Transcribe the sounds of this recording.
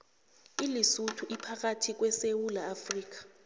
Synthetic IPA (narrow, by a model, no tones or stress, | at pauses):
ilisutʰuʔipʰak̬atʰik̬wɛsewulaːfriːk̬ḁ